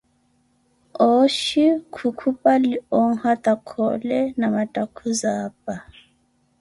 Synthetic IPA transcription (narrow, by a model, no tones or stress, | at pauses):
ɔʃikʰukʰupʼaliɔŋ̩hat̪ʼakʰɔ̰lɛnamatʼakʰuzaːpʼa